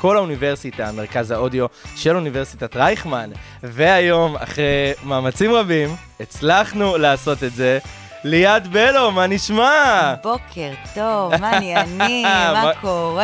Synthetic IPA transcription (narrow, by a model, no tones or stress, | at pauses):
ko̞launiveʁsitameʁkazhao̞dio̞ʃe̞lunive̞ʁsitatʁajχman | ve̞ajo̞ma̰χʁejmaːmat͡simʁabim | et͡slaχnulaːso̞tetze̞ | lejadbe̞lo̞maniʃmabokʰeʁtovnimmakoʁ